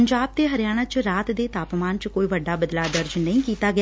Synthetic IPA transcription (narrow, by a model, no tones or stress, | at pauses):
əɲd͡ʒaːb̚t̪eːɦəɾɪjaːɽ̃aːt͡ʃɾaːt̪d̪eːt̪aːpmaːnt͡ʃkoːiːʋəɖaːbəd̪laːd̪əɾd͡ʒnəĩːkiːt̪aːɡɪ